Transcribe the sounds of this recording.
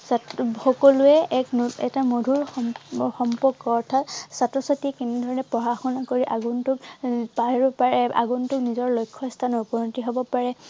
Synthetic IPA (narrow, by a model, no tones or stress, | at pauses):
saxɔkɔluɛʔɛkɛ̰tamodʱuɹxɔmpɔɹkːɔːɹtʰatsatɹɔsatiɛkinidʱɔɹɔnɛpɹɔɦaxɔnakoɹiʔaɡuntʊkpaɦiɹɔpaɹɛa̰ɡuntʊknizɔɹlojkʰːɔstʰanɔupɔnɔntiɦobɔpaɹɛ